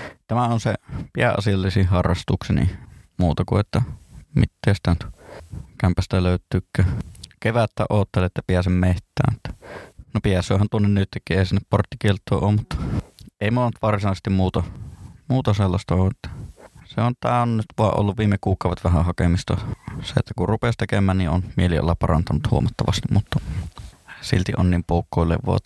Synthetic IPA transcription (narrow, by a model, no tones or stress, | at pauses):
t̪æmæonsepiæʔʔɑ̰siɑlːisihɑrːɑst̪uksenḭmuːt̪ɑkṵeot̪ːɑmḭt̪ːeˑːst̪æˑnt̪kæmpæst̪æløˑyt̪ˑyːkːæːkeʋæt̪ːæ̰ʔʔoːt̪ːeleʔet̪ːjɑpiæsemmeht̪ˑæ̰ːmmut̪ːɑ̥nopiæsˑø̰ːhænt̪uonːennyt̪ːekːiʔeˑisinːepport̪ːikielt̪ːˑo̰ˑːoːmmut̪ːɑeˑimont̪ʋɑrsinɑˑsest̪immuːt̪ɑmuːt̪ɑselːɑst̪ɑoːʔʔet̪ːæ̥seont̪æːonnyt̪ʋuɑʔo̰lːuʋʋiːmːekuːkˑɑˑuʋet̪ʋæhæhɑkemist̪ɑsḛḛt̪ːækurrupest̪ekemːˑæːnniʔʔonmieliʔo̰lːɑppɑrɑnt̪ɑnut̪huomɑt̪ːɑʋɑst̪immut̪ːɑ | sḭlt̪iʔʔonniːmpoˑukːoˑilḛʋʋo̰ːˑt̪